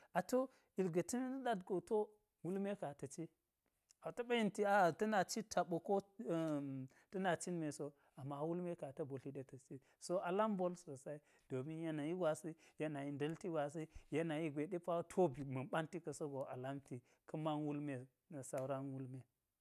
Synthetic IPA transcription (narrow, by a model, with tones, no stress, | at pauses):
a˨to˦ | i˨lɡɐ˨ti˦n˦n˦ɗa˦dɡo˨to˦ | wu˦lme˦ka˨tɐ˨t͡ʃi˦ | a˨to˦ɓa˦ji˦nti˨a˨tɐ˦na˨t͡ʃi˦tʰa˨ɓo˨ko˦˨ | tɐ˦na˨t͡ʃi˦n˦me˨so˦ | a˨mːa˨wu˦lme˦ka˨tɐ˦bo˨li˦ɗe˦tɐ˨t͡ʃi˦ | so˦a˨la˦mbo˦lso˨sa˦i˦ | d̥o˨mi˦nja˦na˨ji˦ɡʷa˨si˦ja˦na˨ji˨ndɐ˦lti˦ɡʷa˨s̬i˦je˦na˨ji˦ɡʷe˨ɗe˦pa˦wtʰo˦bi˨mɐ˨ɓa˦nti˦kɐ˨so˦ɡo˨ʔa̰˨la˦mti˨ | kɐ˦ma˦nwu˦lme˨ | sa˦u˦ɾa˦nwu˦lme˦